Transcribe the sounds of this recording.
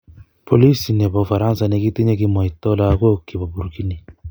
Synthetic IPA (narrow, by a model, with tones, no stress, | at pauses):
pʰo˨li˦si˨nɛ˨bɔ˨fa˨ɾã˦n˦sa˨˧ne˨ki˦te˦ɲe˦ki˦mɔ˨i˨tɔ˦la˦˨˦ko˦ki˨bɔ˨bu˨ɾu˨ki˦ni˨